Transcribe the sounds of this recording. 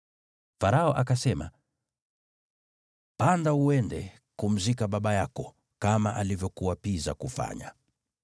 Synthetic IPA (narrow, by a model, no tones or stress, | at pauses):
faɾaɔʔakasɛma | pandauɛndɛ | kum̩zikaɓaɓajakɔ | kamaʔalivjɔkuwapiza̰kufa̰ɲa̰